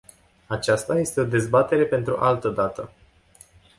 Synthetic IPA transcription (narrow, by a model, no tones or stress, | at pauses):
at͡ʃast̪aje̞st̪e̞o̞d̪e̞zbat̪e̞ɾe̞pe̞nt̪ɾṵʔalt̪əd̪at̪ə